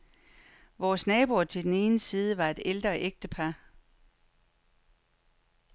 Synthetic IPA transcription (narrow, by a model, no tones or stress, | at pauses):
ʋɒːsnɛːb̥uɐt͡sʰe̝ldene̝ːnəsiːð̞ˠəʋɑ̈e̝d̥eld̥ʁɐʔeɡ̥̚d̥əpʰɑ̈